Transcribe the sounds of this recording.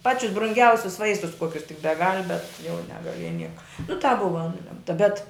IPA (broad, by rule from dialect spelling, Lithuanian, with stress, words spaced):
ˈpɑːt͡ʃʲʊs brʊŋʲˈɡʲɛʊsʲʊs ˈʋɐɪstʊs ˈkuɔkʲʊs tʲɪk bʲɛˈɡɐlʲ bʲɛt jɛʊ nʲɛɡɐˈlʲiɛjɛ ˈnʲiɛkɐ nʊ tɑːp ˈbʊʋɐ ˈnʊlʲɛmtɐ bʲɛt